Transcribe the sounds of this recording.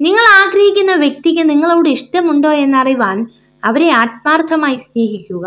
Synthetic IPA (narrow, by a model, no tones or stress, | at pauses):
niŋːɐɭaːɡɾɐhikʲːunːɐʋje̞k̚t̪ik̬ʲːɨniŋːɐɭoːɽeiʂʈɐmuɳɖo̞ːe̞nːɐriʋaːn | ɐʋɐɾe̞aːt̪̚maːrt̪ʰːɐmaːjisne̞ːɦikʲːuɣɐ